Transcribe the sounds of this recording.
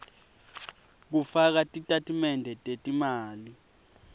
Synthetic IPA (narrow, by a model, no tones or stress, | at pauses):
k̬ufak̬atʼitʼatʰʼimɛndʱɛtʼetʼimaːli